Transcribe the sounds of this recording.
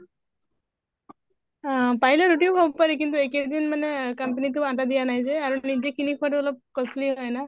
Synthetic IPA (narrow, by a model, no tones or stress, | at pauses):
paɦilɛɾuʈijobʱɔbɔpaɹik̬int̪ueked̪inmanɛkampenitʊatad̪ijanajzɛaɹunizekinikʰuwat̬uɔlɔp̚kɔsliɦɔjna